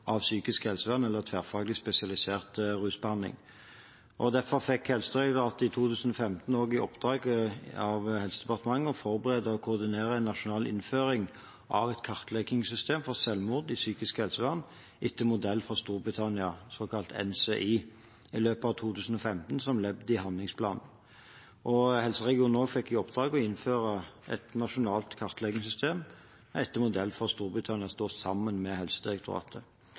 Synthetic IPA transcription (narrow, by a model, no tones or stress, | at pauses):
ʔɑʋsyːkɪskhɛlsəʋæʁnɛlːəʁt̪ʰʋæːʁfɑːɡlɪspɛsɪɑlɪseːʁt̪ʁʉːsbəhɑnlɪ̰ŋ | ʔɔd̪æɾfɔʁfɛkhɛlsəd̪ʁɛd̪əɑt̪ɪt̪ʰuːt̪ʰʉːsən̩ɔfɛmt̪n̩oːɡɪɔpd̪̥ʁɑːɡəɑʋhɛlsəd̪ɛpɑʁt̪əmɑŋːəɔfɔɾbəʁeːd̪əɔkʰʊʁd̪ɪneːʁəæɪnːɑʃʊnɑːlɪ̰nføːɾɪŋ | ʔɑʋɛt̪kʰɑʁt̪lɛkɪŋsʏst̪ʰeːmfɔʁsɛlmʊʁd̪ɪsyːkɪskəhɛlsəʋæʁn | ɪt̪ʰːəmʊd̪ɛlːfɔʁst̪uːɾbʁɪt̪ʰɑnɪɑsoːkʰɑlt̪ʰɛ̰nseʔiː | ɪløːpəɑʋt̪ʰuːt̪ʰʉːsn̩ɔfɛmt̪nsɔmlɛbd̪əɪhɑnlɪŋspʰlɑ̰ːnn | ʔɔhɛlsəʁɛɡɪuːnoːɡfɛkːɪɔpd̪ʁɑːɡɔɪnføːʁəʔɛ̰t̪nɑʃʊnɑːlt̪kʰɑʁt̪ʰlɛɡɪŋsʏst̪ʰeːm | ɪt̪ːəmʊd̪ɛlːfɔʁst̪uːɾbʁɪt̪ʰɑnɪɑst̪oːsɑmːənmɛhɛlsəd̪ɪʁɛk̚t̪ʰʊʁɑ̰ːt̪ʰə